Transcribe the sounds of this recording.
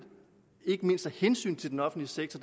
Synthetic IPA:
e̝ɡ̥əme̝n̰sd̥æhensy̰ːnt͡sʰe̝ld̥enɒ̽fn̩dliəseɡ̥̚t͡sʰɒd

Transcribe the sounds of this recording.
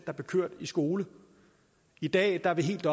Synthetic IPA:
d̥ɑ̈b̥e̝kʰøɐ̰d̥isɡ̥o̝ːlə | id̥ɛ̰ːd̥ɑ̈ʋe̝ɦe̝̰ːld̥ɒ

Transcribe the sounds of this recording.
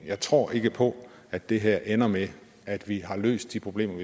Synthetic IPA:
jɑ̈ɪt͡sʰʁo̝̰ɐ̰ʔe̝ɡ̥əpʰɒ̽ | æd̥e̝ɦæɐ̰ʔenɐme | æd̥ʋiɦɑ̈lø̰ːsd̥ːipʰʁo̝b̥le̝̰ːmɐʋi

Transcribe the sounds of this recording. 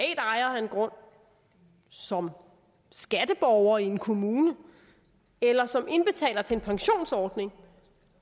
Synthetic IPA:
ɛ̰ːd̥ɑ̈ɪɐæenɡ̥ʁɔ̽n̰ | sɒ̽m | sɡ̥æd̥əb̥ɒʊɐie̝nkʰo̝muːnə | elɐsɒ̽me̝nb̥e̝t͡sʰɛ̰ːlɐt͡sʰe̝e̝npʰɑ̈ŋɕo̝̰ːnsɒːd̥ne̝ŋ

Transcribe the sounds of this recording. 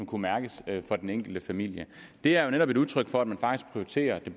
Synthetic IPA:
ɒ̽mkʰumæɐɡ̥əsfɒ̽d̥eneŋ̰ɡ̥l̩d̥əfæmil̰jəd̥e̝æɐjo̝neɾɒ̽b̥e̝ɾuð̞ˠt͡sʰʁœɡ̥fɒ̽æd̥mænfɑ̈ɡ̥d̥isɡ̥̚pʰʁioit͡sʰe̝̰ːɐd̥e̝b

